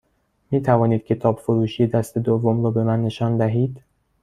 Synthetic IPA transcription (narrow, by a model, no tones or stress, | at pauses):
miːt̪ʰævɒːniːd̪̥̚cʲʰe̞t̪ʰɒːbfoɾuːʃiːjed̪æst̪ed̪ovːomɾɒːbe̞mænːe̞ʃɒːnd̪æɦiːd̪̥